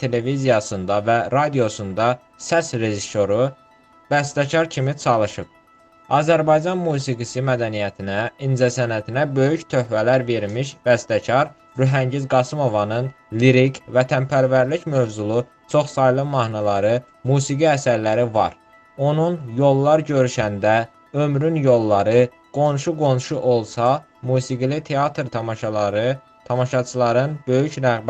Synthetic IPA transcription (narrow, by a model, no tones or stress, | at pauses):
t̪ʰe̞le̞vizijɑsɯnd̪ɑvæɾɑd̪ijo̞sund̪ɑ | sæsɾe̞ʒiso̞ɾu | bæst̪æcʰɑɾcʰimit͡ʃʰɑlˠɯʃɯp̚ | ɑzæɾbɑjd͡ʒɑnmuːs̬iɡisimæd̪ænijæt̪ʰinæind͡ʒ̪æsænæt̪ʰinæbø̞jyçt̪ʰøhvælæɾve̞ɾmiʃbæst̪æcʰɑɾ | ɾyɦæɲɟizɡɑsɯmo̞vɑnɯn | liɾikʰvæt̪ʰænpʰæɾvæɾlicmø̞vzulˠu | t͡ʃʰo̞χsɑjlˠɯmɑhnɑlˠɑɾɯ | muːsiɡiæsæɾlæɾivɑ̰ɾ | o̞nunjo̞lˠːɑɾɟøɾyʃænd̪æ | ømɾynjo̞lˠːɑɾɯ | ɡ̥o̞nʃuɡo̞nʃuʔo̞lˠsɑ | muːsiɡilit̪ʰeɑt̪ɾt̪ʰɑmɑʃɑ | t̪ʰɑmɑʃɑt͡ʃʰɯlˠɑɾɯnbø̞jycɾæɣb